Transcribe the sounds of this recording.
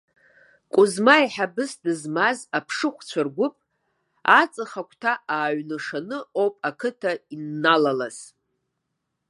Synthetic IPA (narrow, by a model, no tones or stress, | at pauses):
kʷʼʊzmaiħabɨsdɨzmazapʰʂɨχʷt͡ɕʷʰarɡʷʊpʼ | at͡sʼɨχakʷʰʼtʰaʔaːɥnɨʂanɨopʼakʰɨtʰainːalalaz̥